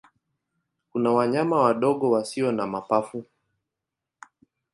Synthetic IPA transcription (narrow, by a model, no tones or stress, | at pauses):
kunawaɲamawaɗɔɠɔwasiɔnamapafu